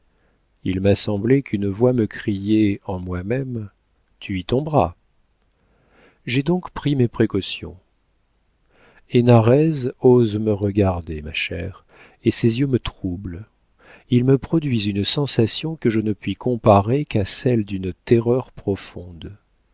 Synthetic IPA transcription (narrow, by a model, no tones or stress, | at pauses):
ilmasɑ̃blɛkʰynvwaməkχijɛɑ̃mwamɛm | t̪ʰyit̪ɔ̃bʁa̰ | ʒed̪ɔ̃kpχimepχekɔsjɔ̰̃ | enaʁɛzozməʁəɡaʁd̪emaʃɛ̰ʁ | esezjømət̪χubl | ilməpχɔd̪ɥizynsɑ̃sasjɔ̃kəʒənəpɥikʰɔ̃paʁekasɛld̪ynt̪ɛʁœʁpχɔfɔ̃d̪